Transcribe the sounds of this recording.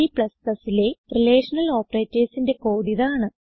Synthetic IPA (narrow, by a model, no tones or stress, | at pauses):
ipɭɐskɐsile̞rileːʂɐnɐlo̞ːpːɐreːtːeːsinde̞ko̞ːðiðaːɳɨ